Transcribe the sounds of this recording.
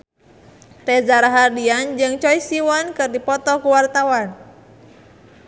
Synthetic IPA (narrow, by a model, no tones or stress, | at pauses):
rɛzaɾaɦardiand͡ʒɨŋt͡ʃɔisiwankɨrdipɔt̪ɔkuwart̪awan